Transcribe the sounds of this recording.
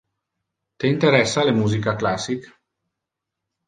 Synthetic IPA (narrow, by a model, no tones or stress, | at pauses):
t̪eint̪eɾɛsːalemuzikaklasik